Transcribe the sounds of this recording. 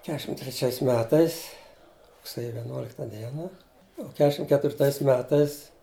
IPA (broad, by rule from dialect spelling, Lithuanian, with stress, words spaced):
ˈkʲæːʃʲɪm tʲrʲɛˈt͡ʃʲɛɪs ˈmʲæːtɐɪs rʊkˈsʲeːjʊ ʋʲɛˈnuɔlʲɪktɐ ˈdʲiɛnɐ ʊ ˈkʲæːʃʲɪm kʲɛtʲʋʲɪrˈtɐɪs ˈmʲæːtɐɪs